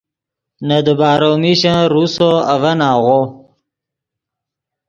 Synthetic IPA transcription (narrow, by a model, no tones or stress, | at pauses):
nad̪əbaːɾomiɕãɾusoavanaːʁo